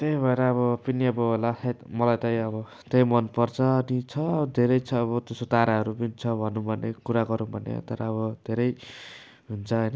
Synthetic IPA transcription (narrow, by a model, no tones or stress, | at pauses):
t̪ebʱʌeɾʌːβʌpʌniʌbʌɦolaetmʌlajt̪aj̃ʌbʌ | t̪ejmʌnpʌrt͡sʰʌːnit͡sʰʌːbʌd̪ʱeɾʌjt͡sʰʌːβʌt̪esot̪aɾaɦʌɾupʌnit͡sʰʌbʱʌnːubʱʌnekuɾaɡʌɾũbʱʌnḛt̪ʌɾʌːβʌd̪̥ʱeɾʌj | ɦunt͡sʰʌɦʌjnʌ